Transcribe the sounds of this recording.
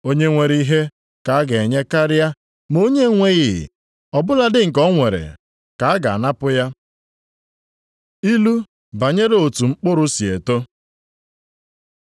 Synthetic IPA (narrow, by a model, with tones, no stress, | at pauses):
o˦ɲe˦ŋʷe˨ɾi˦ɦe˦ | ka˨a˦ɡe˨ɲe˦ka˦ɾa˦ | mo˦ɲe˦ŋʷe˦ɣɪ̰˨ | ɔ˨bʊ˦la˦dɪ˦ŋ̩˨kɔ˦ŋʷe˨ɾḛ˨ | ka˨a˦ɡa̰˨a˨na˦pʊ˦ja˦ | i˦lu˦ | ba˨ɲe˦ɾe˦o˨tu˨ŋ͡m̩˦k͡pʊ˦ɾʊ˦si˨e˨to˦